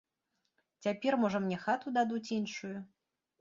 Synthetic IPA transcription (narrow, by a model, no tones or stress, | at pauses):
t͡sʲapʲɛrmɔʐɐmnʲɛxat̪ud̪ad̪ut͡sʲinʂuju